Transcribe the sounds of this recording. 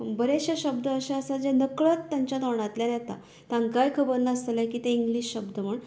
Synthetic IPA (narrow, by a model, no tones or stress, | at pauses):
bəɾeɕaɕəbd̪əːɕãəsad͡ʑenəkɭət̪t̪ːjãɲt͡ɕad̪aɳat̪ljanjɛt̪a̰ | t̪ãŋkajkʰəbəɾlːaəst̪əljãkiːt̪ẽiŋɡliɕɕəbd̪əm̤əɳ